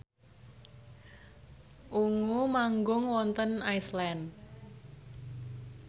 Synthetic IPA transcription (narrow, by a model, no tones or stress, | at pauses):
ʔuŋumaŋɡʊŋwɔnt̪ənajslɛnd